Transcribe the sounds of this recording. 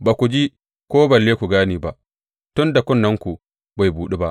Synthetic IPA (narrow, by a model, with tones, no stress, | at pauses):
baː˨kʷu˨d͡ʒi˦ | kʷoː˦bɐ˨lːeː˦kʷu˨ɡaː˦niː˦ba˦ʔ | tʊ˦nda˨kʷʊ˦nːɐ˦ŋkʷu˨ | ba˨jbuː˨ɗe˦ba˦ʔ